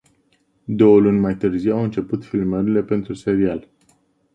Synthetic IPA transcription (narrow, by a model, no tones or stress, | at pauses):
d̪o̞wəlunʲmajt̪ɨrziwawɨnt͡ʃe̞put̪filməɾile̞pe̞nt̪ɾuse̞ɾial